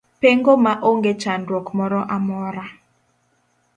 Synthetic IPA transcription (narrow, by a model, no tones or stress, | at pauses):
peŋɡomaʔoŋɡet͡ʃanɾɔkmɔɾɔʔamɔɾa